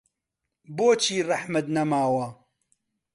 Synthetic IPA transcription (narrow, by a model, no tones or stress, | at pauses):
boːt͡ʃʰiːrɑħmɐt̪̚nɐmaːwɐ